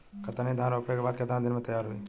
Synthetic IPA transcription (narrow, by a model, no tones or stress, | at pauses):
kɐt̪anid̪ʱãːɾɐʊpokebaːd̪ked̪ʱãd̪ɪnmẽt̪ɐjaːɾɦuḭː